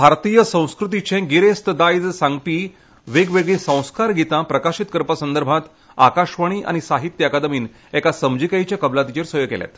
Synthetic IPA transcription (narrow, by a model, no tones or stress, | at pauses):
bʱaɾt̪ijəsə̃w̃skɾut̪̬it͡ɕẽɡiɾest̪əd̪ajd͡zsaŋɡ̚piː | ʋeɡʋeɡɭĩsə̃w̃skaɾɡʱit̪ãpɾəkaɕit̪kəɾpəsənd̪əɾbʱãt̪ | akaɕʋaɽ̃iːʔa̰ñisaɦit̪jəakad̪əmiːn | ɛkasəmd͡ʑikajt͡ɕjakəblat̪it͡ɕeɾsəjoɡkɛ̰ljɛ̰t̪